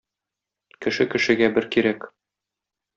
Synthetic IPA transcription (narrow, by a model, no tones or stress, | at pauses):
kɘ̆ʃɘkɘ̆ʃɘ̆ɡæbɘɾkiɾæk